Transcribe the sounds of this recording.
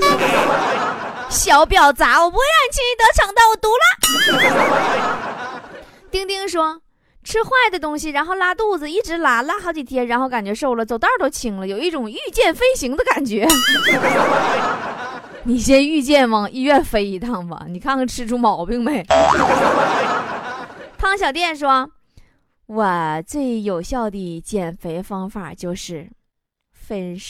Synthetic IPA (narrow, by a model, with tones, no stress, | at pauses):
ɕjɑ˨˩˥ʊpjɑ˨˩ʊt͡sa˧˥wɔ˨˩pu˧˥xe˥ɪa˥˩nt͡ɕʰi˥ŋi˧˥t̪ɤ˧˥ʈ͡ʂʰɑ˨˩ŋt̪ɑ˥˩ʊwɔ˨˩t̪u˧˥la˥˩˧ | t̪i˥ŋt̪i˥˧ŋʂwɔ˥ | ʈ͡ʂʰɻ̩˥xwa˥˩ɪd̪ə˩t̪̬ʊ˥ŋɕi˨ɻa˧˥nxo˥˩ʊla˧˥t̪u˥˩d͡z̩˩i˥˩ʈ͡ʂɻ̩˧˥la˧˥la˧˥xɑ˧˥ʊt͡ɕi˨˩t̪ʰjɛ˥nɻa˧˥nxo˥˩ʊka˨˩nt͡ɕɥɛ˧˥ʂo˥˩ʊlə˨t͡so˨˩ʊt̪a˥˩t̪o˥ʊt͡ɕʰi˧˩ŋlə˦jo˨˩ʊi˥˩ʈ͡ʂʊ˨˩ŋy˥˧t͡ɕjɛ˥˩nfe˥ɪɕi˧˥ŋd̪ə˧ka˨˩nt͡ɕɥɛ˧˥ | ni˨˩ɕjɛ˥ny˥˧t͡ɕjɛ˥˩nmə˧˩i˥˧ɥɛ˥˩nfe˥ɪi˧˥t̪ʰɑ˥˩ŋbɐ̰˩ni˨˩kʰa˥˧ɑ˥˩ŋʈ͡ʂʰɻ̩˥ʈ͡ʂʰu˥mɑ˨˩ʊpi˥˧ŋme˨˩ɪ˥˧˥ | t̪ʰɑ˥˧ŋɕjɑ˨ʊt̪jɛ˥˩nʂwɔ˥ | wɔ˨˩t͡swe˥˩ɪjo˨˩ʊɕjɑ˥˩ʊd̪i˨˩t͡ɕjɛ˨˩nfe˧˥ɪfɑ˥ŋfa̰˨˩t͡ɕjo˥˧ʊʂɻ̩˥˩ | fə˥n